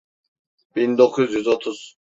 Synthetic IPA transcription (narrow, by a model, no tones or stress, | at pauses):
b̥ind̪okʰuzjyzot̪ʰuz̥